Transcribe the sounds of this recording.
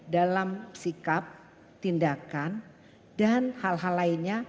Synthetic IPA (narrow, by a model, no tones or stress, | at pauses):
dalamsikap̚ | t̪indakan | danhalɦalainɲa